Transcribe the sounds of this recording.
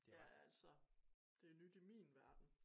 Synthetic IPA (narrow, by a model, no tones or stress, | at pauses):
jææl̰sɐ | d̥e̝nyd̥imḭːnʋæɐd̥n̩